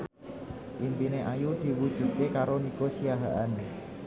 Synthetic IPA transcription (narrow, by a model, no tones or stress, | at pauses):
ʔimpineʔajud̪̥i̤wud̥ʒ̥ṳd̪̚kekaɾoniɡosiaɦaʔan